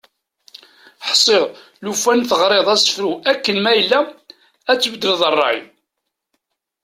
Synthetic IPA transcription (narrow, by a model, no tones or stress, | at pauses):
ħsˤːɪʁ | lufænθəʁɾˤeðˤæsə̥fɾuækːənmæjəlːæ | æt͡sːbəd̪ləðˤərˤːɑ̰ʕj